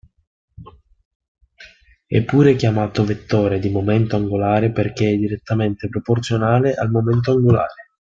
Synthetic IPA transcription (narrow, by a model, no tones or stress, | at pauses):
ɛ̰pːuːɾekjamaːt̪ovet̪ːɔːɾed̪imoment̪oaŋɡolaːɾeperk̟eɛd̪iɾet̪ːament̪epɾoport̪sjonaːleʔalmoment̪̬oaŋɡola̰ːɾe